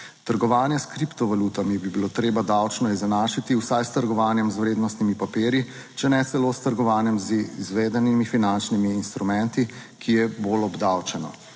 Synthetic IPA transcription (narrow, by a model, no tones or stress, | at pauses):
t̪əɾɡɔʋaːnjɛskɾipt̪ɔʋalut̪amibibiloːt̪ɾeːbad̪awt͡ʃnɔizɛnaːʃit̪iwsajst̪əɾɡɔʋaːnjɛmzwɾeːd̪nɔst̪nimipapeːɾji | t͡ʃɛnɛt̪sɛloːst̪əɾɡɔʋaːnjɛmzizʋeːd̪ɛnimifinant͡ʃnimiːnst̪ɾumɛnt̪ikʰijɛbolɔbd̪awt͡ʃɛnɔ̰